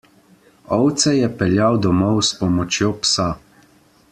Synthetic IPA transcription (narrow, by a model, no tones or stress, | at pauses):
ɔwt̪sɛjɛpɛljawd̪ɔmɔwspɔmɔt͡ʃjopsa